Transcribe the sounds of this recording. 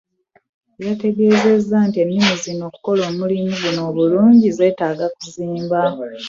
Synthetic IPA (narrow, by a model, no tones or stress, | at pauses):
jate̞ɡe̞ːze̞zːantie̞nːuːzino̞ːku̥ko̞lo̞ːmulimuɡuno̞ːβuluːɲɟize̞ːtaːɡakuziːmba